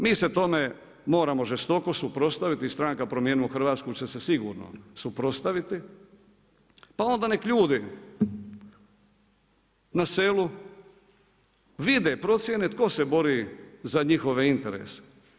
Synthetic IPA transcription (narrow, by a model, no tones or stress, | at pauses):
miːse̞t̪o̞me | mo̞ːɾamo̞ʒest̪o̞ko̞supɾo̞st̪aʋit̪ist̪ɾaŋkapɾo̞mjeːnuoxr̩ʋaːt̪skut͡ɕe̞sesiɡṵːɾno̰supɾo̞st̪aʋit̪i | pao̞nd̪anekʎuːd̪i | naseːlu | ʋid̪epɾo̞t̪sʲje̞ne̞t̪ko̞se̞bo̞ɾizaɲixo̞ʋe̞int̪e̞ɾḛːse̥